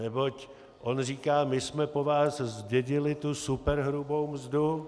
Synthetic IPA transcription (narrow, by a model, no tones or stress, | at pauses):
nɛbo̞c | ʔo̞nr̝iːkaːmɪsmɛpo̞vaːszɟɛɟɪlɪt̪usupɛɾɦɾubo̞wmzdu